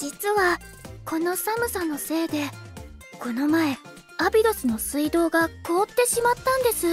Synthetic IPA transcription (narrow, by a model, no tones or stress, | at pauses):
d͡ʑit͡sɨβa | kʰo̞no̞samɯ̟sano̞se̞ːd̪e̞ | ko̞no̞mae̞ | abʲiɾo̞sɨno̞sɨid̪o̞ːɡako̞ːt̪ːe̞ɕimat̪ːãnd̪e̞sɨ